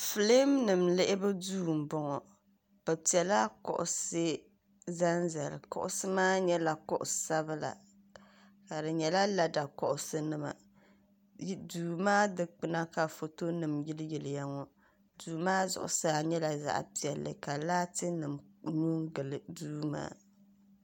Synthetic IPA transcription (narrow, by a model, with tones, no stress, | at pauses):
fɨ˨le˦mnɨ˨mlɪ˦ʔɪ˦bɨ˦duː˦˨m˨bɔ˦ŋɔ˨ | b̥ɛ˨pi˨ɛ˨la˦kɔ̰˨ʔʊ̰˨se˦ | za˦nza˨lkɔ̰˨ʔʊ̰˦sɨ˦maː˦ɲɛ˦la˨kɔ˦ʔʊ̰˨sa˦bɨ˦la̰˨ | ka˨dɨ˨ɲɛ˨la˦la˨da˨kɔ˨ʔʊ˨sɨ˦nɨ˦ma̰˨˦ | duː˨maː˦dɨ˦k͡pɨ˦na˦ka˨fo˨to˦nɨ˨mjɪ˦lɨ˦jɪ˨lɪ˨ja˦ŋɔ˦ | duː˨maː˦zʊ̰˨ʔʊ̰˦˨sa˦˨ɲɛ˦la˨za̰˦˨ʔpi˨ɛ˨lːɨ̰˨ka˨laː˦tɨ˦nɨ˨mɲu˦ŋɡɨ˨lɨ˨duː˦ma̰ː˦